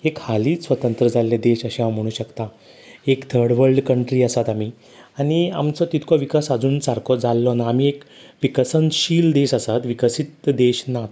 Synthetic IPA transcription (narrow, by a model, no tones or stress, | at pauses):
ekhaliːsʋət̪ənt̪ɾəd͡zalːed̪eɕəɕeam̤əɽ̃uːɕəkt̪a | ekt̪ʰəɽʋəɭɖkəɳʈɾiːəsat̪amiː | añia̰mt͡sɔt̪it̪ʰkʰɔʋikasad͡zuːnt͡saɾkʰɔd͡zalːɔnaːmiːekʋikəsənɕiːld̪eɕəsat̪ʋikəsit̪d̪eɕnat̪